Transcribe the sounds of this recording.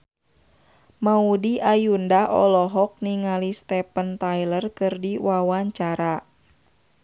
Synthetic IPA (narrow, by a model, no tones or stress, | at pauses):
maudiʔajundaʔɔ̰lɔɦɔk̚niŋalist̪ɛpənt̪ajlərkɨrdiwawaɲt͡ʃaɾa